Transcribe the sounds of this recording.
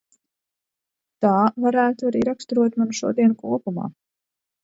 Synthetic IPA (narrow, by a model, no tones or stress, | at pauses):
t̪aːvaɾæːt̪uaɾiːɾakst̪uɾuɔt̪manuʃṵɔd̪iɛnkuɔpuma̰ː